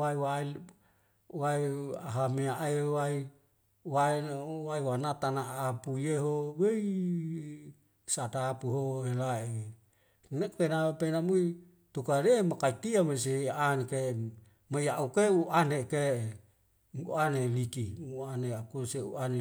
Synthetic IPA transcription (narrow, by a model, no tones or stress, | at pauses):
ajwa | waja̰ɦameaʔewai | wawajwanat̪anaʔːpujeɦowej | satapuɦohelae | nekpenapenamui | t̪ukaɾeemakait̪iames̬eaʔanke | majaʔukeuʔaneke | uanelikiuaneakoseṵane